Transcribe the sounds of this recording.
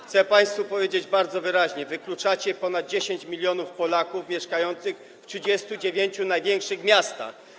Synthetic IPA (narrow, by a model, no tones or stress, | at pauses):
xt̪sɛpaj̃st̪fupɔvʲjed͡ʑed͡ʑbaɾd̪zɔvɘɾaʑɲɛvɘklut͡ʂat͡ɕɛpɔnad̪̚d͡ʑeɕeɲt͡ɕmʲilʲjɔnufpɔlakufmʲjɛʂkajɔnt̪sɘx | ftʂɘd͡ʑɛst̪ud͡ʑevʲjeɲt͡ɕunajvʲjɛŋkʂɘxmʲjast̪a̰x